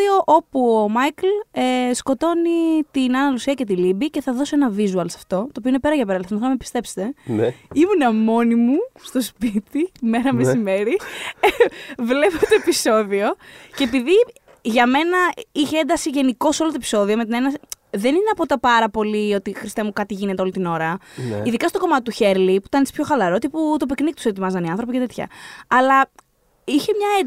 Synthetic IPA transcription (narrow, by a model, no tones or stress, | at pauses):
ioʔo̞puomɐjklesko̞t̪o̞nit̪inɐnɐlusiɐce̞t̪̬ilibice̞θɐðo̞soe̞nɐvizuɐlsɐ̥ft̪o̞t̪oːpio̞ine̞pe̞ɾɐʝɐpɾɐlθsmonɐmepist̪e̞pse̥t̪e̞nimunɐmo̞nimust̪o̞spit̪imeɾɐmesime̞ɾi | vle̞pot̪oepiso̞ðio̞ce̞piði | ʝɐme̞nɐiçeend̪ɐsiʝe̞niko̞solɐt̪oepi̥so̞ðio̞met̪inenɐs | ðe̞nineɐpo̞t̪ɐpɐɾɐpo̞lio̞t̪ixɾist̪emukɐt̪iʝine̞t̪eo̞lit̪ino̞ɾɐniðikɐst̪o̞ko̞mɐt̪it̪uçe̞ɾlipuit̪ɐnet͡ssi̥pçoxɐlɐɾo̞t̪iput̪op̬eknik̚t̪u̥set̪imɐzɐniɐnθɾo̞picet̪e̞t̪çɐ̰ɐlɐ | içe̞mɲɐe